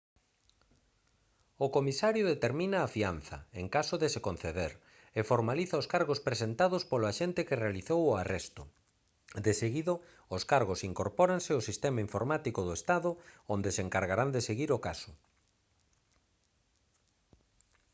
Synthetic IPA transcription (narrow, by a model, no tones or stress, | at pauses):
ʊkomisaɾjʊðet̪eɾmĩnaːfianθɐ̰eŋkasʊðesekon̟θeðeɾ | efoɾmaliθɐoskaɾɣospɾesent̪aðospoloaʃent̪ɪkɪrealiθowʊarɛst̪ʊ | d̪eseɣiðo | ʊskaɾɣosiŋkoɾpɔɾansɪosist̪ɛmaiɱfoɾmat̪ikoðoest̪aðʊond̪eseŋkaɾɣaɾand̪eseɣiɾokasʊ̥